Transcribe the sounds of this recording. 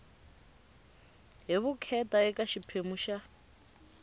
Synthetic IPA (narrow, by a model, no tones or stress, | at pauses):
ɦiβukʰɛtaɛkaʃipʰemuʃa